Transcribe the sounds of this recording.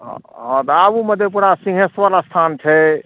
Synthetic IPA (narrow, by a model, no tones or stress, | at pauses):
ɦɔ̃t̪abuməd̪ʱjepuɾasĩŋɦesʋəlast̪ʰant͡ʃʰɛ